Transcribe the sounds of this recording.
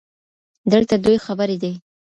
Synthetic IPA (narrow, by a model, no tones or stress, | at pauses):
d̪əlt̪ad̪ojxabaɾed̪e